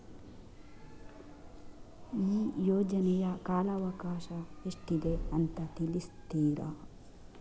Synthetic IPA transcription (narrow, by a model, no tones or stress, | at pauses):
iːjoːd͡ʒɐnɛjɐkaːlɐːʋɐkaːʃɐeʂʈid̪eɐnt̪ɐt̪ilist̪iːɾɐ̰